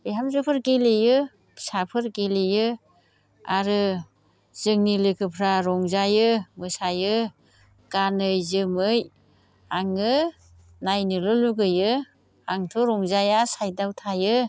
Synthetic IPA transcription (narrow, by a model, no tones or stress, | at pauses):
bejɦamzɯpʰɯɾkelejɯ | sapʰɯɾkelejɯ | aɾɯ | z̥ɯŋnilɯkʰɯpʰɾaɾɔŋzajɯmɯsajɯ | ɡ̥anɯjzɯmɯj | aŋɯ | najnɯlɔluɡɯjɯ | aŋtʰoɾɔŋzajasajdawtʰajɯ